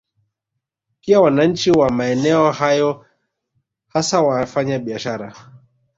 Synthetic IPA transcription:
piawanaɲ̩t͡ʃiwamaɛnɛɔhajɔ | hasawafaɲaɓiaʃaɾa

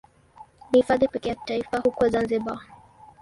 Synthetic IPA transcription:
nihifaðipɛkɛjaki̥taifahukɔzanziɓa

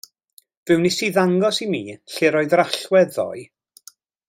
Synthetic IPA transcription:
vɪwnisiːðaŋɡɔsimiːɬeːɾoːjðraɬwɛdðɔ̰j

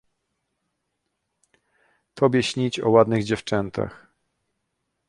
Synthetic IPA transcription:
t̪ʰɔbʲjɛɕɲit͡ɕɔ̰wad̪nɘɣd͡ʑɛft͡ʂɛnt̪ʰa̰x

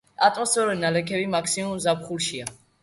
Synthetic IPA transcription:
t̪ʼat̪ʼɔsɔɾɛnalɛkʰɛbimakʰsimumzapχulˠʃia

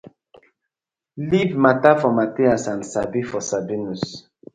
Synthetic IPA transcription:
livmatafɔmateasansabifɔsabinus

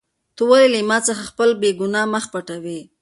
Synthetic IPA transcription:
t̪uwəɾelimɑt͡səxaxpəlbeɡʊnɑməxpaʈawi

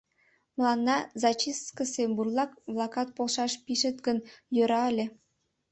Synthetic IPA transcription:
m̆lˠɑnːɑzɑt͡ɕiskə̆semburlˠɑkblˠɑkɑt̪̚polˠʃɑʃpiʃĕt̪ɡənjøɾɑəlʲĕ

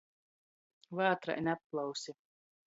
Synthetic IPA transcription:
vaːt̪ɾa̰ʔɛnʲapːlˠawsi

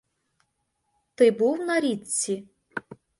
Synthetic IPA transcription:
t̪ɪbuwnɐɾʲit͡sʲːi

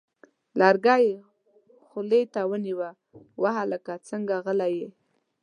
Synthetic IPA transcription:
lɑɾɡɑje | xʊlet̪awəniwa | waɦaləkat͡səŋɡaɣəlaje

